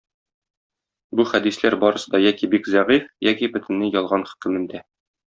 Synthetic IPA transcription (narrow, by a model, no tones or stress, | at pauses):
buχæd̪islæɾbɒɾɤ̆sɤd̪ɒjækibikzæʁifjækibɵ̆t̪ɘ̆nːɘjɒlˠʁɑnχɵ̥̆kɘ̆mɘ̆nd̪æ